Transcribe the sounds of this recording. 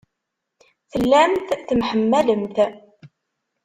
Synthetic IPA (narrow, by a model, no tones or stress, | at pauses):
θəlːæmθθəmħəmːæləmt̪